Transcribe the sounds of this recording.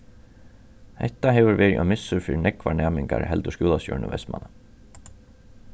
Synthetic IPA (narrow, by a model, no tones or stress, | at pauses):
hɛ̰ht̪ːaɦɛːvʏɾvɛːɾiʔɔmɪsːʊɾfɪːɾɪnɛkʋaɳɛːmɪŋka̰ɾɦɛlt̪ʊʂkjuːlasjɔ̰ːɹnəvɛ̰smʔa̰na